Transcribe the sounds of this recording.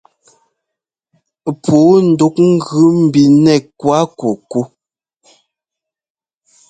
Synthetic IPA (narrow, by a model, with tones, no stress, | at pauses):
pʰuː˨˦n̩˨du˦k̚ŋ̩˦ɡʉ˦m̩˨bi˨nɛ˦˨kwa˦ku˨ku˦